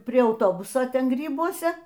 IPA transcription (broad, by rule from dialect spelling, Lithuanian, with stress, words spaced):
pʲrʲiɛ ɐʊˈtoːbʊsoː ˈtʲɛn ˈɡrʲiːbuɔsʲɛ